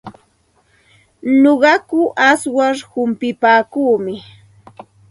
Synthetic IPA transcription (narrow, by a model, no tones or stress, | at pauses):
noɢɑkʊʔaswaɾhʊmpɪpaːkuːmɪ